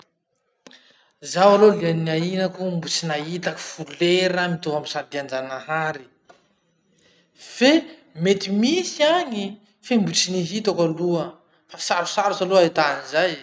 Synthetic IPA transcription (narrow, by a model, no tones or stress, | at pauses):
zawalolianiainakumbut͡sinait̪aki̥fuleɾəmit̪ovamisad̪iand͡ʒanaɦaɾi | femet̪imisiaɲi | fembut͡siniɦit̪akaluə | fai̥saɾusaɾusaloait̪anizaj